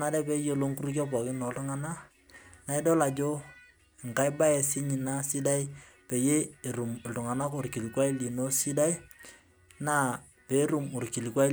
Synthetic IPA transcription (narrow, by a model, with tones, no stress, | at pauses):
na˦dɛ˦pe˦jo˦lo˦ŋku˦ɾu˦k̬jɔ˦pɔ˨kɪ˦nɔ˨ltʊ˦ŋa˦na˦ | na˨ɪ˦do˦la˨d͡ʒo˦˨ | ŋ˨ka˦ɪ˦ba˦ɛ˨sɪ˦ɲɪ˨na˦sɪ˦da˦i˦ | pe˨je˦ɪ˨ɾu˨mɪ˨ltʊ˨ŋa˨na˦ko˨rki˨li˨kwa˦i˦li˨no˦sɪ˦da˦i˦ | na˦ | pe˨˦ɾu˨mo˨ɾki˨li˨kwa˦